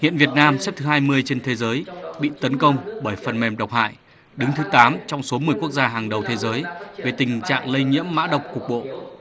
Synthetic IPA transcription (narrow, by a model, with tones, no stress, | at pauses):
hḭ˧˨ənvi˨˩ət̚naː˧msɛ˦˥p̚t̪ɨ˨˦ɦaː˧jmɨ˧əjt͡ɕe˧nt̪ʰe˨˦zəː˨˦jɓḭ˧˨t̪ə˨˦nkə˧wŋ͡mɓəː˧˩jfə˨˩nmɛ˨˩mɗə˨˩wk͡p̚ha̰ː˧˨j | ɗɨ˨˦ŋt̪ʰɨ˨˦t̪aː˨˦mt͡ɕɔ˧wŋ͡mso˨˦mɨ˨˩əjku˦˥ək̚zaː˧ɦaː˨˩ŋɗə˨˩wt̪ʰe˨˦zəː˨˦jve˨˩t̪ï˨˩ŋ̟t͡ɕa̰ː˧˨ŋlə˧jɲḭ˧˥əmːa̰ː˧˥ɗə˨˩wk͡p̚kʊ˨˩ək̚ɓo̰˧˨